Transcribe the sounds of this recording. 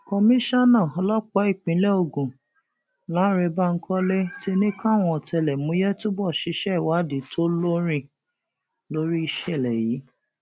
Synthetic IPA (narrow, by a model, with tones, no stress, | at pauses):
kɔ˧mĩ˦ʃa˦nã˦˨ɔ˧lɔ˦k͡pɔ˦i˦˨k͡pĩ˨˦lɛ˦o˧˨ɡũ˨ | la˨˦ɾe˧ba˦ŋ̩˦kʰɔ˦le˦ti˦nĩ˦ka˦˨w̃ɔ̃˧ɔ˨tɛ˧lɛ˨mũ˨˧˦jɛ˦to˦bɔ˦˨ʃi˧˦ʃɛ˦˨wa˨˦di˨˦to˦lo˦ɾĩ˧ | lo˦ɾi˦i˧ʃɛ˦˨lɛ˨ji˨˦